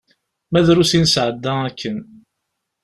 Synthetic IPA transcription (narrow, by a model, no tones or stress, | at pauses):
mæðɾusinsʕəd̪ːæækːən